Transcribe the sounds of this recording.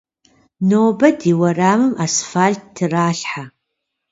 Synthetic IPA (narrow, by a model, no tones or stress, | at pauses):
noːbɐdiwɐraːmɨmasfaːɮt̚ʰtʰːɨraːɬħa